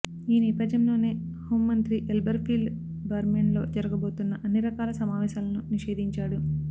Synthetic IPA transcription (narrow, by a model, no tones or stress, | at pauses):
iːnɛːpɐd͡ʒjɐmlo̞ːne̞ː | hoːmːɐnt̪ɾiʔelbɐɾpiːlɖ | ɡɐɾmeɳlo̞ːd͡ʒɐɾɐɡɐbo̞ːt̪unːɐʔɐnːiɾɐkaːlɐsɐmaːʋɛːʃaːlɐnuniʂe̞ːd̪iɲt͡ʃaːɽu